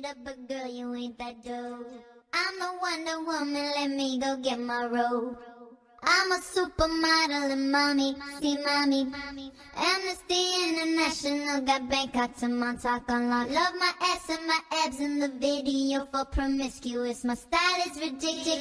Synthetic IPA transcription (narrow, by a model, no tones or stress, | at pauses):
ɾʌp̚ɨɡɜ˞lˠjɨɪ̃n̚ðɨt̚d̥oʊãɪ̃məwʌ̃ndə˞wʊmɨ̃nlɛt̚miɡoʊɡɛt̚maɪɹoʊ | ãɪ̃məsupə˞maɾl̩ˠə̃nmɑmisimɑmi | ʔɛmɨsðiɪ̃nɨnæʃɨnəlˠɡabæ̃ŋkat̚tʰɨmãntʰakə̃nlɔlʌvmaɪʔɛpsɨ̃nmaɪʔɛbzɨ̃nðɨbɪɾijəfəpʰɹ̥əmɪskjʉɨsmaɪstaɪlɪzɹɨd͡ʒɪk̚tɪ